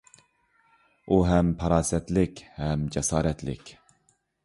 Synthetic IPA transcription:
uɦɛmpʰɑɾɑːsɛt̪lɪkʲhɛmd͡ʒɛsɑːɾɛt̪lɪ̰kʲ

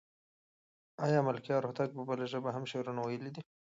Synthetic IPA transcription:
ɑjɑmalkjɑɾoht̪ak̚pəbəlaʒəbaɦamʃeɾunawajəlid̪i

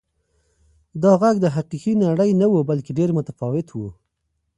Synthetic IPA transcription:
d̪ɑɣaɡd̪əɦaqixinaɽəjnawubalkeɖeɾmʊt̪afɑwɪt̪wu

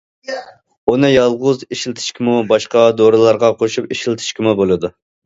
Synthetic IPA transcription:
onɨjɑlˠʁʊziʃilt̪ʰɪ̥ʃkʲʰimubɑʃqɑd̪oɾɨlˠɑɾʁɑqʰoʃupiʃilt̪ʰɪ̥ʃkʲimubolˠɨd̪u

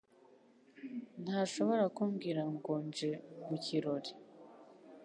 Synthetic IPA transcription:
n̥haːʃo̞βo̞ɾakuːmɡiɾaŋɡoːnd͡ʒemuciɾo̞ɾi

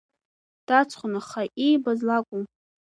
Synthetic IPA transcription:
d̥at͡sʰʼχʷʊnaχaʔejbazlakʷʼʊm

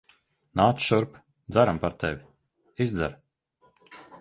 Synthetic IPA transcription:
naːt̪sʃuɾp | d̪zaɾampaɾt̪ɛvʲi | izd̪za̰ɾ

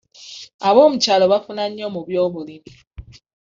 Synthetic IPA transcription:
aβɔm̩t͡ʃalɔβafunaɲɔmobjɔbolini

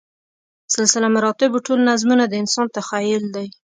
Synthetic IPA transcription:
sɪlsɪlamaɾɑt̪ɪboʈʰolnazmunad̪əɪnsɑnt̪axajɪld̪aj

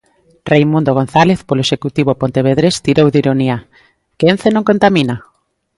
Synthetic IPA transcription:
rejmũnd̪oɣ̞on̟θaleθpoloeʃekut̪iβ̞opont̪eβeð̞ɾest̪iɾowd̪iɾonia | ken̟θenõŋkont̪amina

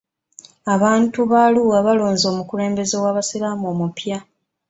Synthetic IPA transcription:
aβaːntuβaːluɣaβalo̞ːnzo̞ːmukule̞ːmbe̞ze̞waːβasilaːmoːmupja

